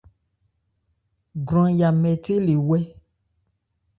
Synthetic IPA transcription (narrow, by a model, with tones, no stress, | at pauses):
ɡɾ̃ɔ̃˦ja˨mɛ˨te˦le˨wɛ˦